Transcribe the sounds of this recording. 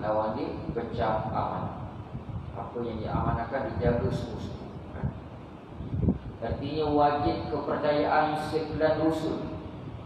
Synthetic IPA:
lawandiəkət͡ʃama̰ma̰n | ʔa̰pəjaŋdiʔa̰manakandid͡ʒaɡəsəmuskua̰n | ərt̪iɲə̃wad͡ʒɪt̪̚kəpərt͡ʃajaʔansəp̪lanlusʊn

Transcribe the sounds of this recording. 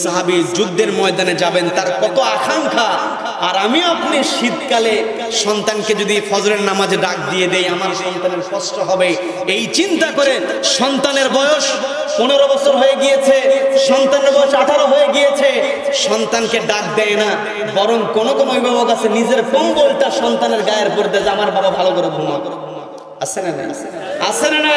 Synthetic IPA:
saɦabid͡ʑud̪ːeɾmɔed̪aned͡ʑabent̪aɾkɔt̪oaʃʰaŋkʰa | aɾamiapniʃid̪kale | ʃɔnt̪anked͡ʑod̪ifʰɔd͡ʑoɾeɾnamad͡ʑeɖak̚d̪ied̪ejamaɾʃɔnt̪aneɾskɔsʈoɦɔbe | ejt͡ɕint̪akoɾeʃɔnt̪aneɾbɔjoʃ | poneɾobɔt͡ɕʰoɾɦojeɡijet͡ɕʰeʃɔnt̪aneɾbɔjoʃaʈʰaɾoɦojeɡijet͡ɕʰeʃɔnt̪ankeɖak̚d̪ɛena | bɔɾoŋkonokɔmoibɔmoɡasʰenid͡ʑeɾkɔmbolʈaʃɔnt̪aneɾɡaeɾpoɾd̪ed͡ʑamaɾbababʱalokɔɾobʱumo | asʰenna̰asʰenana

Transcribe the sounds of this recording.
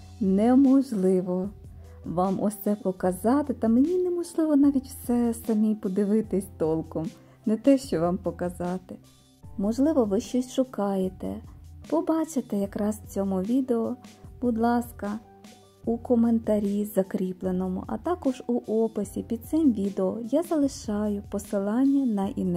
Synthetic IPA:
nɛmɔʒlˠɪʋɔ | ʋɑmʔɔsʲt̪sɛpɔkɐzɑt̪ɪt̪ɐmenʲinemɔʒlˠɪʋɔnɑʋʲitʲw̥sɛsɐmʲipɔd̪ɪʋɪt̪ɪsʲt̪ɔlˠkɔm | nɛt̪ɛʃt͡ʃɔʋɑmpɔkɐzɑt̪ɪ | mɔʒlˠɪʋɔʋɪʃt͡ʃɔsʲʃʊkɑjet̪ɛ̰pɔbɑt͡ʃet̪ɛjɐkɾɑst͡sʲɔmʊʋʲid̪eɔb̥ʊd̪lˠɑskɐ | ukɔment̪ɐɾʲizɐkɾʲiplˠenɔmʊ̰ʔɐ̰t̪ɑkɔʒuʔɔpɪsʲipʲid̪̚t̪sɪmʋʲid̪eɔjazɐlˠɪʃɑjʊpɔsɪlˠɑnʲːɐnɐʔḭn

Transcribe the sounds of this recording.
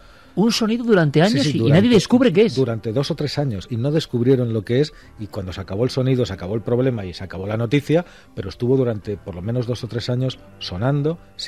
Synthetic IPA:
unso̞niðoðuɾant̪easɲosisðinaðjeðeskuβɾekeesd̪uɾant̪e̞ðo̞sot̪ɾe̞saɲo̞sino̞ðe̞skuβɾjeɾo̞nlo̞kees | ikwand̪o̞sakaβo̞elso̞niðosakaβo̞elpɾo̞β̞le̞maisakaβ̞o̞lano̞t̪iθja | pe̞ɾoest̪uβo̞ðuɾant̪e̞po̞ɾlo̞meno̞zðo̞sot̪ɾe̞saɲo̞sːo̞nãnd̪o̞ | s

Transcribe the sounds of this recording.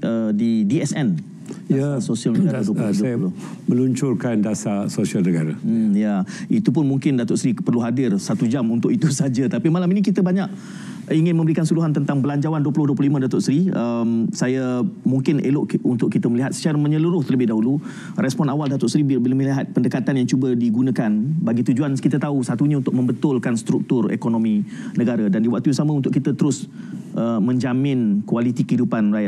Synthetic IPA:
ʔədidiɛsɛn | jasosialnəɡaɾaduəpduajlʊmə̃luɲt͡ʃʊrkandasasosialnəɡaɾam̩jait̪up̬ʊnmuŋkɪndat̪ɔʔsɾipərluɦadɪrsat̪ud͡ʒamunt̪ʊʔit̪usad͡ʒat̪apimalaminikit̪əbaɲaʔ | iŋɪnmə̃mbəɾikansuɾuɦant̪ənt̪aŋbəlaɲd͡ʒawanduəpulʊhduəplulimədat̪ʊʔsɾiəmsajamuŋkɪnḛlʊʔunt̪ʊkːit̪əməliɦat̪sə̥t͡ʃaɾamə̃ɲəluɾʊht̪ərləbɪhdaɦulu | rɛspɔnawaldat̪ʊʔsɾibbələməliɦat̪̚pəndəkat̪anjaŋt͡ʃubədiɡunãkanbaɡit̪ud͡ʒuankit̪ət̪ausat̪uɲãunt̪ʊk̚mə̃mbət̪ʊlkanst̪ɾuk̚t̪ʊrḛkonomĩnə̃ɡaɾadandiwak̚t̪usamə̃unt̪ʊʔkit̪ət̪əɾʊs | ʔəmə̃ɲd͡ʒamɪnkualit̪ikəɦidupanraja

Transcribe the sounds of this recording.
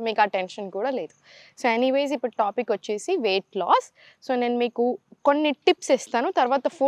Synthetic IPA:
miːkaːʈenʃɐnkuːɽaːle̞ːd̪usoːeniʋeːz̬ipːuɽuʈaːpikːʋɐt͡ʃːeːsiʋeːʈla̰ːsː | o̞ːne̞ːnumiːkuko̞nːiʈipsest̪aːnut̪ɐɾʋaːt̪ɐpʰoː

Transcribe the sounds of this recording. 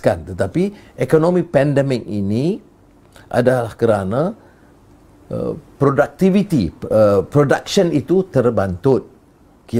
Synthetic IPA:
kant̪ət̪apiʔekonõmĩpɛndɛmɪk̚inĩ | ʔa̰dalahkəɾanã | ə̰pɾodak̚t̪ivit̪iəpɾoda̰ksənit̪ut̪ərbant̪ʊt̪̚ | ki

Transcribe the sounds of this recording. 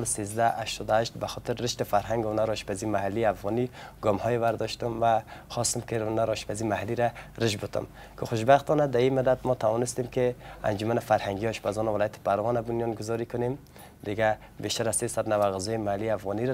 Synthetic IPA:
lsezd̪aʔaʃt̪ɔd̪aʃt̪baxɔt̪ʰɪɾːɪʃt̪ɪfaɾɦaŋɡʊnaɾɔʃpʰazimahalːiafɣɔniɡɔmhɔjevaɾd̪ɔʃt̪ʊmvaxɔst̪ɪmkʰɪnaɾɔʃpʰazimahalːiɾaɾɪʃbʊt̪ʰʊ̰m | kʰɪxʊʃbaxt̪ʰɔnad̪aimɪd̪ad̪mɔt̪ʰawɔnɪst̪emkʰɪa̰nd͡ʒʊmanɪfaɾhaŋɡijɔʃbazɔnavɪlɔjat̪ʰɪ̥pʰaɾɣɔnabʊnjɔnɡʊzɔɾikʊnem | d̪ɪɡa | beʃt̪aɾazsesad̪navaɣɪzɔimahalːiafɣɔniɾ

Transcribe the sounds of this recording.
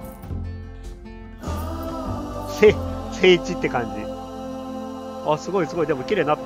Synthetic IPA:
sese̞ːit͡ɕit̪ːe̞kãɲd͡ʑi | asɨɡo̞isɨɡo̞id̪e̞mokʲiɾe̞ːnːat̪ː

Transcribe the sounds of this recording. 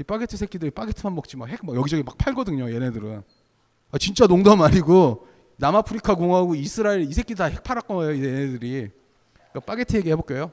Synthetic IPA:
ip͈aɡe̞tʰɯsʰek͈ʰidɯɾip͈aɡetʰɯmanmʌk̚t͡ɕ͈imakhe̞k̚makjʌɡid͡ʑʌɡimak̚pʰaɭɡʌdɯɲoje̞nedɯɾɯn | at͡ɕint͡ɕ͈anoŋdamaɲiɡo | namapʰɯɾikʰakoŋɦaɡoisʰɯɾaeɾisʰek͈ʰidtahe̞k̚pʰaɾak͈ʌʌjoienedɯɾi | k͈ap͈aɡe̞tʰɯe̞ɡihe̞bok͈e̞jo

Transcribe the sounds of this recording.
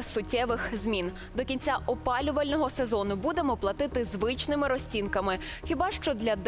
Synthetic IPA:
sʊtʲːɛʋɪxzʲmʲin | d̪ɔkʲinʲt͡sʲaʔɔpɑlʲʊʋɐlʲnɔɦɔse̞zɔnʊbud̪emɔplˠɐt̪ɪt̪ɪzʋɪt͡ʃnɪmɪɾɔsʲt͡sʲinkɐmɪ | xʲibɑʃt͡ʃɔd̪lʲɐd̪

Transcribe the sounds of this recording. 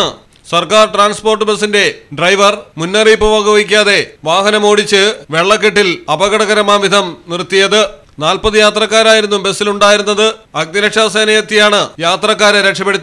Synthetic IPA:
ɨ | sɐrkaːrʈraːnspo̞ːrʈːɨbe̞sːinde̞ɖrɐjʋɐrmunːɐriːpːɐʋɐɣɐʋɐikʲːaːðe̞ʋaːɦɐnɐmo̞ːɽit͡ɕːɨʋe̞ɭːɐkːeʈːilɐbɐɣɐɽɐɣɐɾɐmaːʋid̪ʱɐmnirt̪ːijɐðɨ | naːlpɐðɨjaːt̪rɐkːaːɾaːjiɾunːumbe̞sːiluɳɖaːjiɾunːɐðɨɐɡ̚nɐɾɐkʂaːseːnɐjɐt̪ːijaːɳɨjaːt̪rɐkːaːɾɐɾekʂɐpːeɽut̪ː

